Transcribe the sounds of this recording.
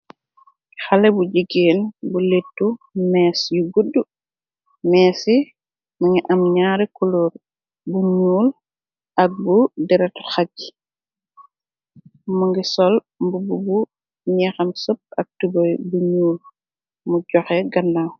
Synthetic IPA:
xalɛbuɟiɡeːnbuletːumɛːsjuɡudːu | mɛːsi | maŋiʔɐmɲaːɾɛkuluɾ | buɲuːl | ʔɐk̚budɛɾɛtxaɟi̥ | muŋɡisɔl | mbububu | ɲɛxɐmsop̚ɐk̚tubɔjbuɲuːl | muɟɔxɛɡɐnːaw

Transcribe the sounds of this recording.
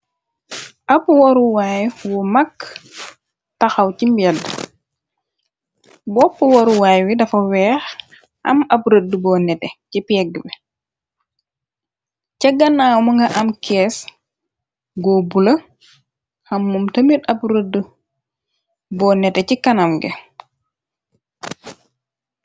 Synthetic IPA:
ʔapwɔɾuwajwɔmakː | taxawcimbɛd | bɔpːəwɔɾuwajwidɐfɐwɛːx | ɐ̰mabɾədəbɔnɛtɛcipɛɡ̚ːəbɛ | cɛɡːanawmɐŋɡɐʔamkɛːs | ɡɔbulɐ | hamːumtɐmitabuɾədə | bɔnɛtɛcikanamɡɛ̰

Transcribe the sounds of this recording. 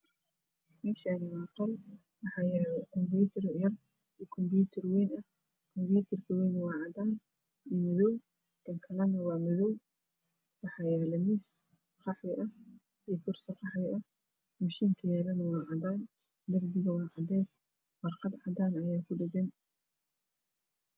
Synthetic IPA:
mɛːʃaːnɪwɑːqɔl | wɑħɑːjɛːlɛkʰɔmbjuːt̪ʰɐrjɐr | iːkʰɔmbjuːt̪ʰɐrwɛjnɐ | kʰɔmbjuːt̪ʰɐrkʰɐwɛjnwɑːʕɑd̪aːn | iːmɪðɔw | kɐŋkʰɐlɐnɐwɑːmɪðɔw | wɑħɑːjɛːlɛmiːs | qɑħwɪʔɐh | ikʰʊrsɐqɑħwɪʔɐh | mɐʃiːŋkʰɐjɛːlɐnɐwɑːʕɑd̪aːn | d̪ɐrbɪɣɐwɑːʕɑd̪ɛːs | wɑrqɑd̪ʕɑd̪aːnɐjaːkʰʊɖɪɡɛn

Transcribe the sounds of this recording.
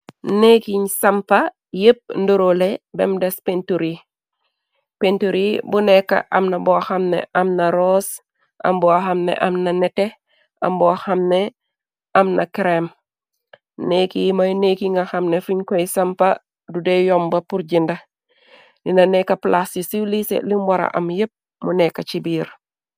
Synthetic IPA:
nekiɲsɐmpa | jəp̚ndoɾolebḛmdespentuɾi | pentuɾibunekːa̰ʔɐmnɐboxamnḛʔɐmnɐɾos | ʔɐ̰mbɔaxamnḛʔɐmnɐnete | ʔɐ̰mboxɐmne | ɐmnʔɐkɾem | nekijmɐnekiŋɡɐxɐmnefuɲkoisɐmpa | dudejɔmbɐpuɾɟindɐ | linɐnekːɐplʔasisilisḛlimbɔɾɐ̰ʔɐmjep̚ | munɛkːɐt͡ʃibiːɾ

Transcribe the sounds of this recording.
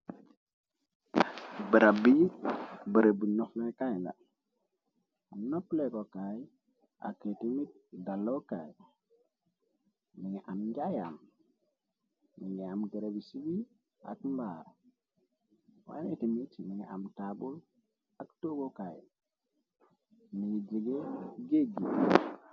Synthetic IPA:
bəɾabibəɾebinoflajkajna̰ | noplekokaj | a̰kːetimit̚dalːoka̰j | miɲʔamɲɡaja̰m | iŋeamɡəɾebisibi | a̰kmbaɾa | wa̰netimitmiŋa̰mtaɓul | aktoɡokaj | miŋd͡ʒeɡeɡeɡi

